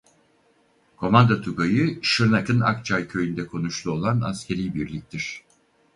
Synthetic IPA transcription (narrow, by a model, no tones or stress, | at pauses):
kʰo̞mand̪at̪ʰukajɯʃɯɾnakʰɯna̰k̚t͡ʃʰajcʰø̞jynd̪ɛkʰo̞nuʃlˠuo̞lˠana̰scʰe̞ɾijbiɾlʲic̚ʲt̪ʰiɾ̝̥